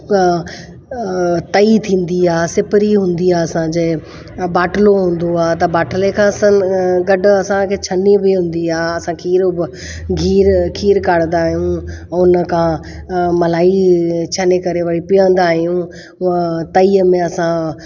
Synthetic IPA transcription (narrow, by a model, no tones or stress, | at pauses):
t̪ɐit̪ʰĩːn̆d̪iaːsɪpɾiɦũːn̆d̪iaːɐsãd͡ʑeɦɪ | baːʈəloɦũːn̆d̪oaːɦt̪̬ɐbaːʈʰəlekʰãsãɡɐɖʱʊ̆ɐsãkʰeːt͡ɕʰɐnibɪɦũːn̆d̪iaːɐsãkʰiːɾbɪ | ɡʱiːɾkʰiːɾkaːɽə̃nd̪aːɦijũʊnə̆kʰã | mɐlaːit͡ɕʰɐnekɐɾeʋɐɽipiə̃n̆d̪aːɦijũ | ʊə̃t̪ɐiəmẽɐsã